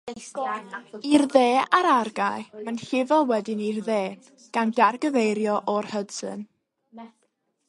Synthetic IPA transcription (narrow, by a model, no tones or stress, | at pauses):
irðeːaɾarɡajmanɬɪvɔwɛdɪnirðeː | ɡ̥andarɡəvejɾjɔʔɔrhədsɨ̰n